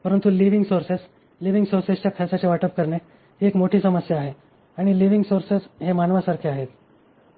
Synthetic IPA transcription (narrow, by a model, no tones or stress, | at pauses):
pəɾənt̪uliʋiŋɡsoɾses | liʋiŋɡsoɾsest͡ɕjakʰəsat͡ɕeʋaʈəp̚kəɾɳe | ɦiːekmoʈʰiːsəməsjaːɦe | aɽ̃iliʋiŋɡsoɾsesɦemanʋasaɾkʰeaɦet̪